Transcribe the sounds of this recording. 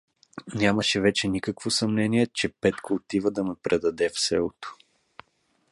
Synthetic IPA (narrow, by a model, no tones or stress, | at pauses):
nʲaməʃɛvɛt͡ʃɛnikəkvosɐmnɛniɛt͡ʃɛpɛt̪koːt̪ivəd̪ɐmɛpɾʔɛd̪ɐd̪ɛfsɛlˠot̪o̥